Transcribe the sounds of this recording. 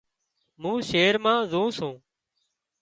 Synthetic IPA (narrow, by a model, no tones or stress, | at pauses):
mũːʃeːɾmãːzũːsũː